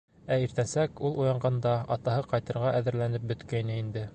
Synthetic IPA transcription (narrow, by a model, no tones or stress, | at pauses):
æiɾt̪ænsækulˠujɑɴɢɑnd̪ɑɑt̪ɑhɤqɑjt̪ɤ̆ɾʁɑʔæðɘ̆ɾlænɘp̚bɵ̆t̪kæjnɘind̪ɘ